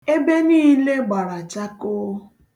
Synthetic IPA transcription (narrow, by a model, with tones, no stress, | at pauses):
e˦be˦niː˦le˦ɡ͡ba˨ɾa˨t͡ʃa˦ko˦